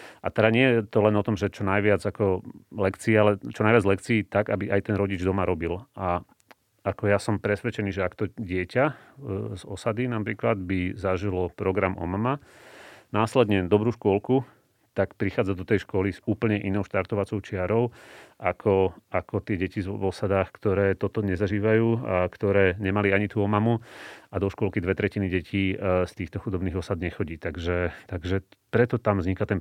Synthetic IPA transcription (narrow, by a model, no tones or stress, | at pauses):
ʔa̰t̪ɛd̪aɲɪɛjɛt̪ɔlɛnɔt̪ɔmʒɛt͡ʃɔnajʋɪad͡zakɔlɛkt͡siːalɛt͡ʃɔnajʋɪad͡zlɛkt͡siːt̪aɡabiʔajt̪ɛnɾɔɟid͡ʒd̪ɔmaɾɔbilʔa | akɔjasɔmpɾɛsʋɛt͡ʃɛniːʒɛakt̪ɔɟɪɛca | zɔsad̪inapɾiːklad̪bizaʒilɔpɾɔɡɾamʔɔ̰mama | naːslɛd̪ɲɛd̪ɔbɾuːʃkʊɔlku | t̪akpɾixaːd͡zad̪ɔt̪ɛjʃkɔlizuːpl̩ɲɛʔinɔʊʃt̪aɾt̪ɔʋat͡sɔʊt͡ʃɪaɾɔʊʔakʰɔakɔt̪ɪɛɟɛcizɔsad̪aːxkt̪ɔɾɛːt̪ɔt̪ɔɲɛzaʒiːʋajuːakt̪ɔɾɛːɲɛmaliaɲit̪uɔmamuad̪ɔʃkʊɔlkid̪ʋɛt̪ɾɛciniɟɛcʰiːst̪iːxt̪ɔxud̪ɔbniːɣɔsad̪ɲɛxɔɟiːt̪aɡʒɛt̪aɡʒɛpɾɛt̪ɔt̪amvzɲikat̪ɛn